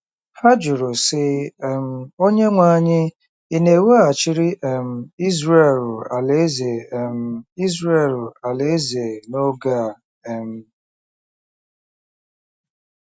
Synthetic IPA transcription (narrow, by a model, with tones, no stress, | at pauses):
ha˦d͡ʒʊ˨ɾʊ˨sɪ˦˨m̩˦o˦ɲe˦ŋʷa˦ɲɪ˦ | i˦ne˨˦we˦a˨t͡ʃɪ˦ɾi˦ʔɛ˨m̩˦˨i˦zɾe˨ɾʊ˨a˨le˨˦ze˨m̩˦i˦zɾe˨lʊ˨a˨le˦ze˨no˦ɡa˦˨ | ɛ˨m̩˦